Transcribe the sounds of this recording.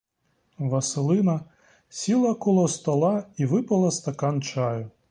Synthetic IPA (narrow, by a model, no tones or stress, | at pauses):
ʋɐsɪlˠɪnɐ | sʲilˠɐkɔlˠɔst̪ɐlˠɑiʋɪpɐlˠɐst̪ɐkɑnt͡ʃɑjʊ